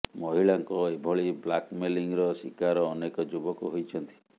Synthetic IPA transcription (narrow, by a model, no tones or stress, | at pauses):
mɔɦiɭaŋkɔebʱɔɭiblakmeliŋɾɔsikaɾɔːnekɔd͡ʒubɔkuɦojt͡ʃʰɔnt̪i̥